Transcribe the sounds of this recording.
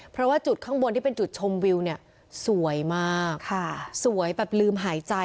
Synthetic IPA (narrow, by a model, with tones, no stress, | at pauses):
pʰɾɔ˦˥waː˥˩t͡ɕu˨˩t̪̚kʰɔ˥˩ŋwo˧nt̪i˥˩e˧nt͡ɕu˨˩t̪̚t͡ɕʰo˧mwi˧wni˥˩ɐ | su˨˩˦əjmaː˥˩kʰa˥˩su˨˩˦əjbɛː˨˩p̚lɯː˧mɦaː˩˦jt͡ɕa˧